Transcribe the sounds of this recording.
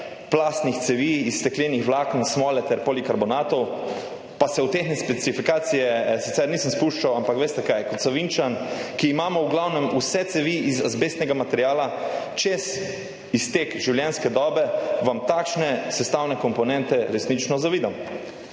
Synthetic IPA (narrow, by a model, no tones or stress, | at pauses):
plast̪nixt̪sɛʋiːst̪ɛklʲenixʋlaknsmɔːlɛt̪ɛɾpolikaɾbɔnat̪ɔw | pasɛwt̪exnɛspɛsifikaːt̪sijɛsit̪sɛɾniːsəmspuʃt͡ʃawampakʋeːst̪ɛkajkɔt̪saʋint͡ʃankiːmaːmɔwɡlawnɛmusɛt̪sɛʋiizazbest̪nɛɡamat̪ɛɾjaːlat͡ʃes | ist̪eːkʒiwljɛnskɛd̪ɔbɛʋamt̪akʃnɛsɛst̪awnɛkɔmpɔnɛnt̪ɛɾɛsnit͡ʃnɔzaʋiːd̪am